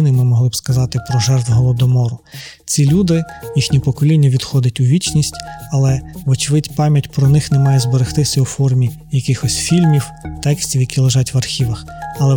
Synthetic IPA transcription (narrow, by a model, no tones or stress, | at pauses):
nɪmɪmɔɦlˠɪbskɐzɑt̪ɪpɾɔʒɛrt̪wɦɔʋɔd̪ɔmɔɾʊ | t͡sʲilʲud̪ɪjixnʲipɔkɔlʲinʲːɐʋʲid̪xɔd̪ɐtʲʊʋʲit͡ʃnʲisʲtʲɐlˠɛʋɔt͡ʃʋɪtʲpɑmʲjɐtʲpɾɔnɪxnɛmɑjɛzbɔɾɪxt̪ɪsʲɐwfɔrmʲi | jɐkɪxɔsʲfʲilʲmʲiwt̪ɛksʲtʲiwjɐkʲilˠeʒɑtʲʋɐrxʲiʋɐxɐlˠɛ